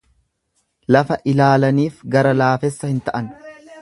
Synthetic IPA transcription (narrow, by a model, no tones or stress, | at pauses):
lɐfɐʔɪlaːlɐniːfɡɐɾɐlaːfɛsːɐhɪnt̪ɐʔɐn